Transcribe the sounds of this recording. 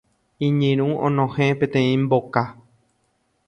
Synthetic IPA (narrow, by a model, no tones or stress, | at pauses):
ĩɲɨ̃ɾ̃ũõnõhẽpẽt̪ẽĩmboka